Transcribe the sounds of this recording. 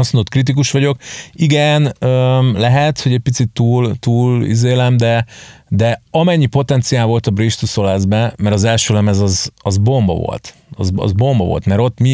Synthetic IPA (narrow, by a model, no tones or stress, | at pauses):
ɒsmond̪ot̪krit̪̬ikuʃʋɒɟo̞kiɡɛnølɛɦɛt̪ho̞ɟɛc̚pit̪sit̪ːuːlt̪uːlḭzeːlɛmd̪ɛd̪ɛɒmɛɲːipo̞t̪ɛnt̪sijaːlvo̞lt̪ɒbriʃt̪uso̞lɛzbɛmɛɾɒzɛlʃøːlɛmɛzɒzɒzbo̞mbɒ̰vo̰lt̪ | ɒ̰zɒ̰zbo̞mbɒvo̞̰lt̪mɛɾo̞t̪ːmi